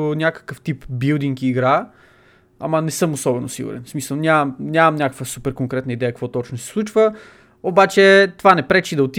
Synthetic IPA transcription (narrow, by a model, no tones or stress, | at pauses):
ʊnʲjakə̥kəft̪ipbilˠd̪iŋkiːɡɾa | a̰mənɛsɤmosɔbɛnʊ̰sḭɡʊ̰ɾɛ̰nsmisəlˠnʲamɐmnʲamɐmnʲakəkvəsupɛɾkoŋkɾɛt̪nəid̪ɛjəkɐkvɔt̪ɔt͡ʃnʊsɛ̥slˠut͡ʃvə | obat͡ʃɛt̪ovanɛpɾɛt͡ʃid̪ɐot̪i